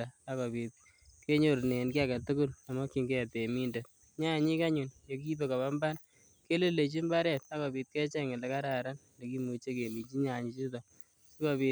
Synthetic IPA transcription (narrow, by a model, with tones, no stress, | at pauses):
a˨a˦kɔ˨pi˨t̪̚ | ke˦ɲo˨ɾne˨nki˦a˦ka˨tu˦kʊ˦la˨mɔ˦ki˨ŋɡe˦˨te˨mi˦nde˨t̚ | ɲa˦˨ɲi˦ka˦ɲu˨njo˨ki˦be˨ka˨βa˦mba˦n | ke˦le˦le˨t͡ʃi˦mba˦ɾɛ˨t̚a˦kɔ˨pi˨t̪̚ke˦t͡ʃɛ˦ŋɪ˨le˨ka˦ɾa˨ɾa˦n | le˨ki˦mu˨t͡ʃe˦ke˨mi˨t͡ʃi˦ɲa˨ɲi˨˦t͡ʃi˦tɔ˨ | si˦kɔ˦pi˨